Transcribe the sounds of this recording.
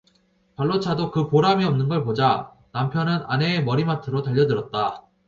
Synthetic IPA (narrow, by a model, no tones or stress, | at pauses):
paɭːot͡ɕʰadokɯpoɾamiʌmnɯnɡʌɭpod͡ʑa | nampʰjʌnɯna̰ne̞ːmʌɾimatʰɯɾotaʎːʌdɯɾʌt̚t͈a